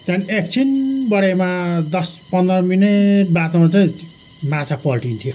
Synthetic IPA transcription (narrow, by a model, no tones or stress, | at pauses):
t̪anek̚t͡sʰinbʌɽemad̪ʌspʌnd̪ʌmineʈ̚bat̪oat͡saĩ | mat͡sʰapʌlʈint̪ʰijo